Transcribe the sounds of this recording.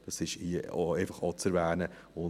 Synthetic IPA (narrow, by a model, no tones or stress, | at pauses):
d̥ɑsɪʃieɪfɑχɑt͡sɛɾvæːnə | ʊ